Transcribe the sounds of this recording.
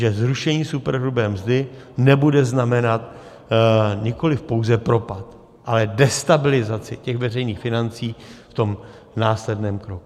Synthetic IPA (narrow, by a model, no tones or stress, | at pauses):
ʒɛzɾuʃɛɲiːsupɛɾɦlubɛːmzdɪ | nɛbudɛznamɛnat̪ | ɲɪko̞lɪfpo̞wzɛpɾo̞pat̪ | ʔalɛdɛst̪abɪlɪzat͡sɪcɛxvɛrɛjniːxfɪnant͡siːft̪o̞m | naːslɛdnɛːmkɾoku